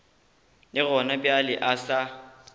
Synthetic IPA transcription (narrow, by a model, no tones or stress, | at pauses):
lɪɣɔnabjalɪʔasa